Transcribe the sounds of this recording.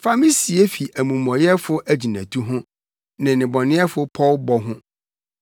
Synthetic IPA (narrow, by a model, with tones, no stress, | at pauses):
fa˦mi˦si˨e˦fi˨ʔæ˨mũ˨mɔ̃˨jɛ˦fʊ˦ʔæ˦˨d͡ʑi˨næ̰̃˨tʰu˦ɦʊ̃˦ | nɪ̃˨nɪ̃˨bɔ˨nɪ̃˦ɛ˦fʊ˦pʰɔ˦lbɔ˦ɦʊ̃˦